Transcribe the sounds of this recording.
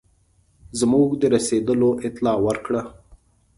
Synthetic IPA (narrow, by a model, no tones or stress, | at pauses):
zmuɡd̪əɾased̪əloʔɪt̪lɑwəɾkɽa